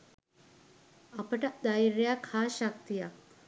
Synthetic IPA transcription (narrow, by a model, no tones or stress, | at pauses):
apəʈad̪ajɾjakʰaɕak̚t̪ijak